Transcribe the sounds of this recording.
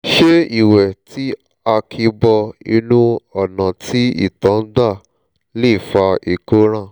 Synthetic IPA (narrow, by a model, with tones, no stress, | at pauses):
ʃe˦i˦˨wɛ˨tʰi˦ | a˧kʰi˧bɔ˧i˧nũ˦ɔ˦˨nã˨ti˦ḭ˦˨tã˨˦n̩˦da˦˨ | le˦˨fa˧i˨ko˦ɾ̃ã˦˨